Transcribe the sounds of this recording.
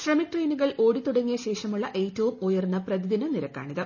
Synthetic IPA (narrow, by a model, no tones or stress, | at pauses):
ɕrɐmiʈrejnuɣɐɭo̞ːɽit̪uɽɐŋːijɐɕe̞ːʂɐmuɭːɐʔe̞ːtːɐʋumujɐrnːɐprɐd̪iðinɨniɾɐkːa̰ːɳiðɨ